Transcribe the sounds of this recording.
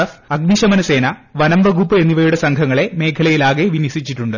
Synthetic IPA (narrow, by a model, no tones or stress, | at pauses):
ɐfɐɡmiɕɐmɐnɐse̞ːnɐʋɐnɐmʋɐɡʱupːɨe̞nːiʋɐjuɽe̞sɐŋkʰɐŋːɐɭe̞me̞ːkʰɐlɐjilaːɣeʋinjɐsit͡ɕːiʈːuɳɖɨ